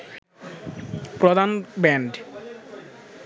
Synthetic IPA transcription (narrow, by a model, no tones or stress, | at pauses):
pɾod̪ʱanbɛɳɖ